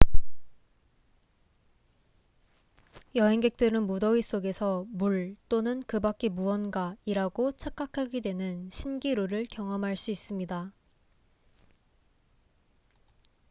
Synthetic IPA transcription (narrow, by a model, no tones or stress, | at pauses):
jʌɦe̞ŋɡe̞k̚t͈ɯɾɯnmudʌwis͈oɡe̞sʰʌmuɭt͈onɯnkɯbak͈emuwʌnɡaiɾaɡot͡ɕʰak͈akʰaɡidwe̞nɯnɕʰinɡiɾoɾɯɭkjʌŋʌmɦaɭs͈uis͈ɯmɲida